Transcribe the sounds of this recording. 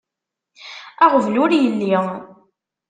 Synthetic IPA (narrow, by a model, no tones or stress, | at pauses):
æʁəvnʊɾjəlːi